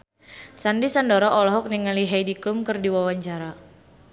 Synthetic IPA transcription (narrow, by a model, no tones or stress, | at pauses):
sandisandɔɾɔʔɔlɔɦɔk̚niŋaliɦajdiklumkɨrdiwawaɲt͡ʃaɾa